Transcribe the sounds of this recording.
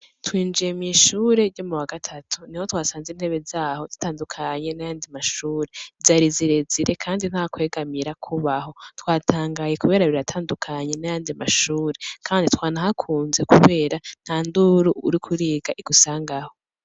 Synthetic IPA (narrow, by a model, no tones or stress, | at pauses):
twiːnd͡ʒijemŋiːʃuːɾe̞ɾɟo̞muwaɡatʰatʰuniho̞twaːsaːnziːn̥he̞βe̞zaːhozitaːndukʰaɲe̞najaːndimaʃuːɾezaɾiziɾe̞ziɾe̞kʰaːndin̥hakwe̞ːɡamiɾakʰuβaɦo̞twaːtʰaːŋɡajekuβe̞ːɾaβiɾatʰaːndukʰaɲe̞najaːndimaʃuːɾe̞kʰaːnditʰwaːnahakʰuːnze̞kuβe̞ːɾan̥haːnduɾuuɾikʰuɾiːɡaʔiɡ̥usaːŋɡaho̞